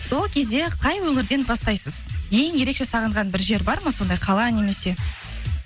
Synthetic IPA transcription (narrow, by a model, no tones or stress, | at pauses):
so̞lˠkʲʰe̞zd̪e̞qʰɑjwɵŋɪɾd̪e̞nbɑst̪ɑjsəzʰejɪŋje̞ɾe̞kʃe̞sɑʁəɴʁɑnbɪɾʒe̞ɾbɑɾməso̞nd̪ɑjqʰɑlˠɑne̞me̞se̞